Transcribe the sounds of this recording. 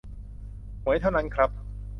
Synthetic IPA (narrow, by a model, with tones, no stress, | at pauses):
hu˩˦əjt̪ʰa˥˩wna˦˥nkʰɾa˦˥p̚